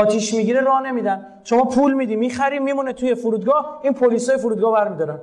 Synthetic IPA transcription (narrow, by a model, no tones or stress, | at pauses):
ɒːt̪ʰiːʃmiɟiɾeɾɒːhne̞miːd̪æn | ʃomɒːpʰulmiːd̪iːmiːxæɾiːmiːmunet̪ʰuje̞foɾuːd̪ɡɒːhiːnpʰoliːsɒːjefuɾud̪ɡɒːhbæɾmiːd̪ɒːɾæn